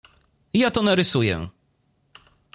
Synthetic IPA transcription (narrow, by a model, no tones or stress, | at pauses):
jat̪ɔnaɾɘsujɛ̰